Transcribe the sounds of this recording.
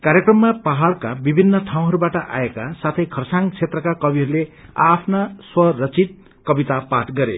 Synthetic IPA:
kaɾjekrʌmːapaɦaɭkabibʱinːʌʈʰaw̃ɦʌɾubaʈʌʔa̰ekasat̪ʰʌjkʰʌrsaŋt͡sʰet̪rʌkakʌbiɦʌɾuleapʰnaswʌrʌt͡sit̪̚ | kʌbit̪apaʈɡʌɾḛ

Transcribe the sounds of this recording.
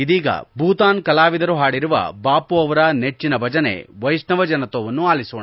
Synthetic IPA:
id̪iːɡɐ̰bʱuːt̪aːnkɐlaːʋid̪ɐɾuɦaːɽiɾuʋɐ̰baːpuɐʋɐɾɐne̞t͡ʃːinɐbʱɐd͡ʒɐne̞̰ʋɐjsnɐʋɐd͡ʒɐnɐt̪oːʋɐnːuaːlisuːɳ

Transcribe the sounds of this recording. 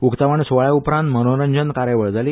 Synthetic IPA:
ukt̪aʋaɳsoaɭjaupɾãnt̪mənoɾəɲd͡ʑənkaɾjəʋəɭd͡zali

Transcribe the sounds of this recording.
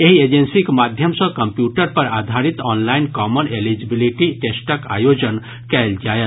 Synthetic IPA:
eɦied͡ʒensikemad̪ʱjəmsə̃kəmpjuʈəɾpəɾad̪ʱaɾit̪ɔːnlaɪnkɔːmənelid͡ʒibiliʈiʈesʈəka̰jod͡ʒən | kɛld͡ʒaːet̪

